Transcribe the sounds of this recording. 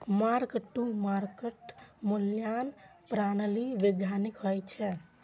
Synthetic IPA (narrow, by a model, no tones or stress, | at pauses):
maɾkʈːumaɾkeʈmuljanpɾanəliʋeɡjanikɦojt͡ʃʰɛ